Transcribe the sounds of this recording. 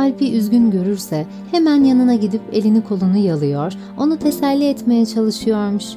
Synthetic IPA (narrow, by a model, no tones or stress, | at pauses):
alʲpʰiʔyzɟynɟø̞ɾyɾsɛ | hemænjanɯnaɟid̪ipelʲinikʰo̞lˠunujalˠɯjoɾ̥ | o̞nut̪ʰe̞sælʲːiɛt̪me̞jɛt͡ʃʰalˠɯʃɯjoɾmuʃ